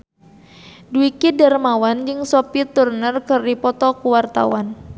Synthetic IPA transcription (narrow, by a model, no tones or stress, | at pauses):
duikidarmawand͡ʒɨŋsopit̪urnərkɨrdipɔt̪ɔkuwart̪a̰wan